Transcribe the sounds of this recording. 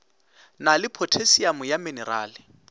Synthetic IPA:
nalɪpʰotʰesiamʊjamɪnɛra̰ːlɪ

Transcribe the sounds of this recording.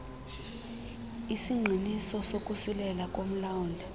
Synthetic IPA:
isiŋ͡ǃʱinisɔsokʼusilɛlakʼom̩lauːndʱɛ

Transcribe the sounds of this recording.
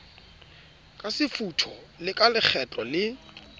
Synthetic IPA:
kʼasɪfutʰɔ | lɪkʼalɪk͡xʰɛtʼɔlɪ

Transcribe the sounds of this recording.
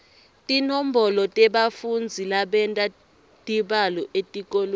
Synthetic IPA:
tʼinom̩bɔlɔtʼɛɓafund͡zʱilaɓɛntʼa | tʼiɓalɔʔetʼikʼol

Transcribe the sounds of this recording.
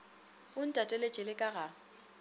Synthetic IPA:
ʊn̩tʼatʼelet͡ʃʼɛlɪkʼaɣa

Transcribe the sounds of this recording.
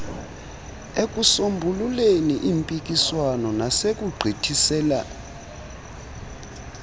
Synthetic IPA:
ek̬ʼusombʱululeniʔimpʼik̬ʼiswanɔnasek̬ʼuɡ͡ǀʱitʰisɛːla̰

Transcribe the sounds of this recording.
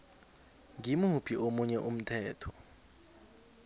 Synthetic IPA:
ŋimupʰiʔomuɲɛʔum̩tʰɛːtʰɔ̥

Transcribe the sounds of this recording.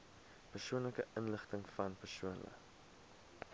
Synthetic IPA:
pərsuənləkəʔənləχtəŋfɐnpərsuənlə̰

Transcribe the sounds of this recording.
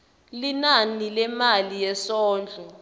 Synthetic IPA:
linanilɛmalijɛsɔːnd͡ɮʱu

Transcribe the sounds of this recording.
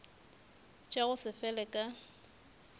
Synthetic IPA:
t͡ʃʼaɣʊsɪfɛlɛkʼa

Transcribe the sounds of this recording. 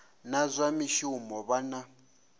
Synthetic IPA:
nazʷamiʃiumɔβana

